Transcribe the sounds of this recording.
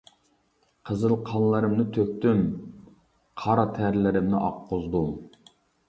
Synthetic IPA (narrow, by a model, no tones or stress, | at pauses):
qʰəzɨlˠqʰɑnlˠəɾɨmnɪt̪ʰøk̚ʲt̪ym | qʰɑɾɑt̪ʰæɾlɪɾɪmnɪʔɑ̰qʰːozd̪um